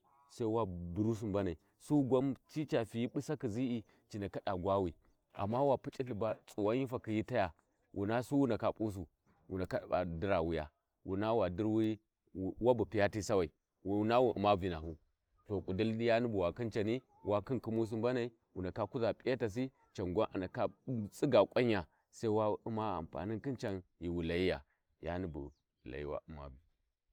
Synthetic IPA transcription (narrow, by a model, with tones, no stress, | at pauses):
sa˦i˦wa˦du˨ɾu˦s̬u˦˨mba˦na˨i˨ | su˦ɡʷa˦mt͡ʃi˦t͡ʃa˨fi˨ji˦ɓu˦sa˦ki˨zi˦i˨ | t͡ʃi˨na˨ka˦ɗa˨ɡʷa˦wi˨ | a̰˨mːa˦wa˨pu˦t͡ʃʼi˦ɬi˨ba˦t͡sʼu˨wa˦ɲi˦fa˨ki˨ji˦ta˦ja˨ | wʔṵ˨na˦su˦wu˦nda˨ka˨pʼu˦s̬u˨ | wṵ˨na˨ka˦˨a̰˨di˦ɾa˨wu˦ja̰˨ | wu˨na˦wa˨di˦ɾwi˦˨ | wa˦bu˨pi˨ja˦ti˦sa˦wa˨i˨˦ | na˦wu˦˨ʔṵ˨ma˦vi˨na˨hu˦ | to˨kʼu˨du˦lja˦ni˦bu˨wa˨ki˦nt͡ʃa˨ni˦ | wa˦ki˦nki˦mu˦s̬u˦mba˦na˨i˦ | wu˨na˨ka˦ku˦za˨pʼi˦ja˦ta˨s̬i˦ | t͡ʃa˨nɡʷa˦ʔa˨na˨ka˦t͡sʼi˦ɡa˨kʷʼa˦ɲ˦a˨ | sa˦i˦wa˦u˦ma˦a̰˨mpa̰˨ni˦nki˦nt͡ʃa˨nji˨wu˨la˨ji˦ja˨ | ja̰˦ni˦bṵ˨ | la̰˨jḭ˦wa̰˦u˨ma̰˦bi˨